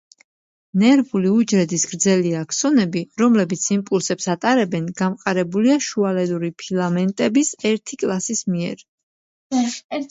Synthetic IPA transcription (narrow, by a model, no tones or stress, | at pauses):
nɛɾvuliud͡ʒɾɛd̪isɡ̥ɾd̪zɛliakʰsɔnɛbiɾɔmlɛbit̪sʰimpʼulˠsɛpsat̪ʼaɾɛbɛnɡamqʼaɾɛbuliaʃualɛd̪uɾipʰilˠamɛnt̪ʼɛbisɛɾt̪ʰikʼlˠasismiɛ̰ɾ